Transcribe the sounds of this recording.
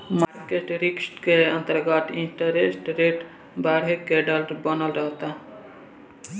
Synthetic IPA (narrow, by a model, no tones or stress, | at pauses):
maɾkeʈɾiksʈkeɐ̃nt̪əɾɡɐt̪iɳʈəɾesʈɾeʈ | baːɾɦekːeɖɐlɾbɐnɐlɾɐɦt̪a